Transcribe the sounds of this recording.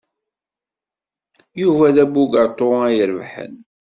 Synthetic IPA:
juvæðæbuɡət̪ˤːoæjəɾvħə̰n

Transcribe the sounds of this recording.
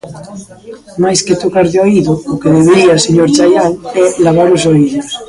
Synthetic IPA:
majsket̪okaɾðeoiðookeðeβeɾiaseɲoɾt͡ʃajaŋɛlaβaɾosoiʎos

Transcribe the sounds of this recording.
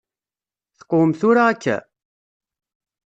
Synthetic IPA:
θə̥qomθʊɾaːkːæ̰

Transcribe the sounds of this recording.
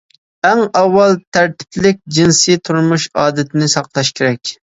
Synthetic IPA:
æŋɑwːɑlˠt̪ʰæɾt̪ʰɪ̥pʰlɪk̚ʲd͡ʒinsɨt̪ʰuɾmuʃɑːd̪ɨt̪ʰɪnɪsɑqlˠɑʃkʲʰeɾɛkʲ

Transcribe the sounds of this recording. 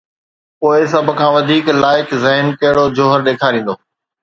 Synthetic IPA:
poːɪsɐbʱʊ̆kʰãːʋɐd̪ʱiːklaːɪkzɐɦɪnkɐɦɪɽod͡ʑoːɦəɾɗeːkʰaːɾĩːn̆d̪oː

